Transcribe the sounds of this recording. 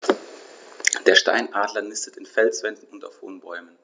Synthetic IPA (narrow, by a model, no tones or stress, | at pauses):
d̥eːɐʃta̰ɪnʔaːdlɐnɪstətɪnfɛlsv̥ɛndn̩ʊnta̰ʊfho̰ːnbɔʏmən